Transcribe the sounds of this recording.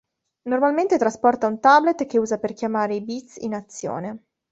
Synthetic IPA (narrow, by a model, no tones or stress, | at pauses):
normalment̪et̪ɾaspɔrt̪aunt̪ablet̪keuːzaperkjamaːɾeibit̪sḭnat̪sːjo̰ːne